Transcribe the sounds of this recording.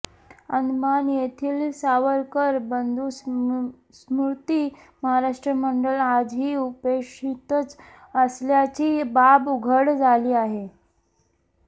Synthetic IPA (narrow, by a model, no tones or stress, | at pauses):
ənd̪manjet̪ʰiːlsaʋəɾkəɾbənd̪ʱus | smuɾt̪iː | məɦaɾaʂʈɾəməɳɖəlad͡zɦiːupekʂit̪ət͡s | əsljat͡ɕiːbabuɡʱəɽd͡zʱaliːaɦe